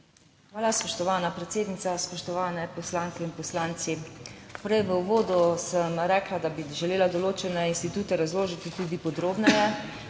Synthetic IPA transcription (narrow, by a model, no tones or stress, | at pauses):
xʋaːlaspɔʃt̪ɔʋaːnapɾɛt̪seːd̪nit̪saspɔʃt̪ɔʋaːnɛpɔslaːŋkɛinpɔslaːnt̪sipɾɛjʋəuʋoːd̪usəmɾɛːklad̪abiʒɛleːlad̪ɔloːt͡ʃɛnɛinst̪it̪uːt̪ɛɾazloːʒit̪it̪uːd̪ipɔd̪ɾoːbnɛjɛ